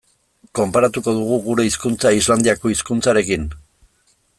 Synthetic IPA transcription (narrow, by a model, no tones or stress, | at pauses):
ko̞mpaɾat̪uko̞ð̞uɣ̞uɣuɾe̞iskunt͡saizland̪iako̞iskunt͡saɾe̞kin